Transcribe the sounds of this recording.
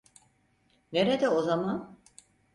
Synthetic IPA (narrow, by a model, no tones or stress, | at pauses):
neɾed̪ɛozaman